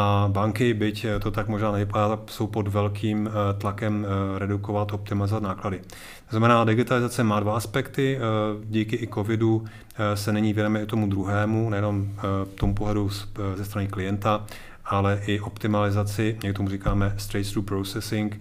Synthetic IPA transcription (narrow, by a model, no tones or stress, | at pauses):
abaŋkɪbɪct̪o̞t̪akmoʒnaːnɛvɪpadaːt̪akso̞wpo̞dvɛlkʰiːmt̪lakɛmɾɛduko̞vat̪ʔop̚t̪ɪmalɪzovat̪naːkladɪ | t̪oznamɛnaːdɪɡɪt̪alɪzat͡sɛmaːdvaaspɛkt̪ɪɟiːkɪɪko̞vɪdu | sɛnɛɲiːvjɛdomɛɪt̪o̞mud̪ɾuɦɛːmunɛjɛno̞mft̪omupoɦlɛduszɛst̪ɾanɪklɪjɛnt̪a | ʔalɛʔɪʔo̞pt̪ɪmalɪzat͡sɪɲɛɪt̪omur̝iːkaːmɛst̪ɾɛjt̪sɾuːpɾosɛsɪŋk